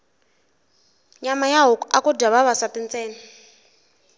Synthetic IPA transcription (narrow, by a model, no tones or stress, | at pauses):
ɲamajaɦɔakudaβaβasatint͡sʼɛːni